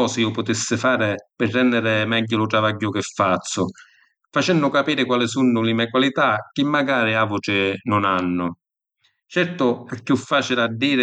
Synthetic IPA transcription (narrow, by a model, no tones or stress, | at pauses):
ɔːsɪiːʊpʊt̪ɪsːɪfaːɾɪpɪrːɛnːɪɾɪmɛɟːʊlʊt̪ɾavaɟːʊkɪfːat̪sːʊ | fat͡ʃɛnːʊkapiːɾɪkwalɪsunːʊlɪmɛkwalit̪ak̟ːɪmːaɡaːɾɪavʊʈɪnʊnanːʊ | t͡ʃɛɾt̪ʊɛkːjufːaːt͡ʃilad̪ːiːɾɪ